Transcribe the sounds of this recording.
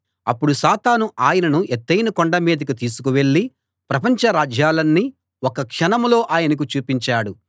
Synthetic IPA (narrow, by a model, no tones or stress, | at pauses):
ɐ̰pːuɽusaːt̪aːnuʔaːjɐnɐnuʔet̪ːɐjnɐkoɳɖɐmiːd̪ɐkit̪iːsu̥kuʋe̞ɭːi | pɾɐpɐɲt͡ʃɐɾaːd͡ʒjaːlɐnːi | wokɐkʂɐnɐmlo̞ːʔaːjɐnɐk̬ut͡ʃuːpiɲt͡ʃaːɽu